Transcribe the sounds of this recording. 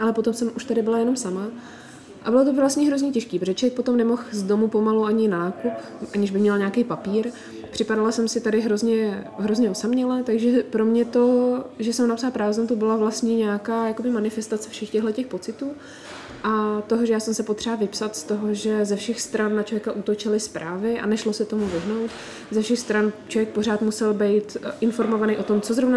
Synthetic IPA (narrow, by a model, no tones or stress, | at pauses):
ʔalɛpo̞t̪o̞msɛmʔuʃt̪adɪbɪlajɛno̞msama | ʔa̰bɪlot̪̬ovlastɲɛɦɾo̞zɲɛcɛʃkiːpɾoʒɛt͡ʃvjɛk̚po̞t̪omnɛmo̞xzdo̞mupo̞maluaɲɪnanaːkup | ʔaɲɪʒbɪmɲɛlɲaːkejpapiːɾ | pr̥ɪpadalasɛmsɪt̪adɪɦɾozɲɛɦɾozɲɛosamɲɛlɛːt̪aɡʒɛpɾo̞mɲɛt̪o̞ʒɛsɛmnapsalpɾaːvzɛmt̪obɪlavlast̪ɲiɲaːkaːjakobɪmanɪfɛst̪at͡sɛfʃɛxcɛɣɦlɛcɛxpo̞t͡sɪt̪uː | ʔat̪o̞ɦoʒɛjaːsɛmsɛpot̪r̥ɛavɪpsat̪st̪o̞ɦoʒɛzɛfʃɛxst̪ɾanːat͡ʃovjɛkaʔut̪ot͡ʃɪlɪspɾʔaːvɪʔa̰nɛʃlosɛt̪o̞muvɪɦno̞wt̪ | zɛfʃɛxst̪ɾant͡ʃovjɛk̚po̞ɾaːt̪musɛlbɛjt̪ʔɪnfo̞ɾmo̞vanejʔo̞t̪o̞mt͡sozɾovna